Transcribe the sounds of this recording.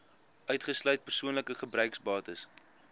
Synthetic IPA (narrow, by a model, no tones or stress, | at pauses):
ʔœɥtχəslœɥt̚pərsuənləkəχəbrœɥksbɑːtəs